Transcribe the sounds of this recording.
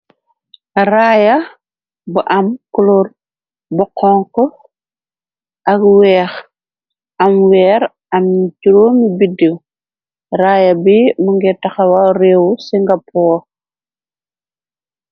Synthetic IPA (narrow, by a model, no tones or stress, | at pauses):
raːjɐ | buʔɐmkulur | bɔqʰɔŋkɔ | ʔɐkwɛːx | ɐmwɛːɾ | ɐmɟuɾomibidiw | raːjɐbimuŋɡɛtɐxɐwarɛːwusiŋɡɐpɔː